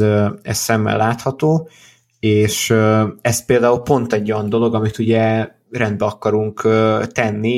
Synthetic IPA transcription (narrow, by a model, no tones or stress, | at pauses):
ɛ̰ssɛmːɛ̰lːaːt̪hɒt̪oː | eːʃøɛspeːld̪aːulpo̞nt̪ɛɟːo̞jɒnd̪o̞lo̞ɡɒmit̪uɟɛ | rɛnd̪bɛɒkɒɾuŋkːt̪ɛnːi